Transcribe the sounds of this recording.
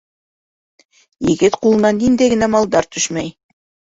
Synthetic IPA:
jɘ̆ɡɘt̪qulˠɤ̆nɑnːind̪æɡɘ̆næmɑlˠd̪ɑɾt̪ɵʃmæj

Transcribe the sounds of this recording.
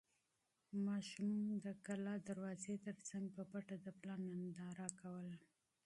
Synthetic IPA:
mɑʃumd̪əkalɑd̪aɾwɑzet̪əɾt͡saŋɡ̚pəpaʈad̪əplɑnːand̪ɑɾakawəla

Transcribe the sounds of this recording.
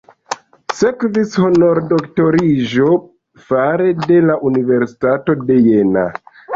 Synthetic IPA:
sekvishonoɾdoktoɾiʒo | faɾede̞laʔunive̞ɾsi̥tato̞de̞je̞na̰

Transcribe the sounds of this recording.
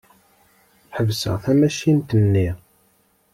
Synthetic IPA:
ħəvsə̰ʁθæmæʃint̪ənːi

